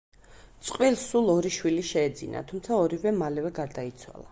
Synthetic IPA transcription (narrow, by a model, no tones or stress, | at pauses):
t̪sʼqʼwilˠsulˠɔɾiʃwiliʃɛːd̪zina̰t̪ʰumt̪sʰaɔɾivɛmalɛvɛɡaɾd̪ait̪sʰwa̰lˠa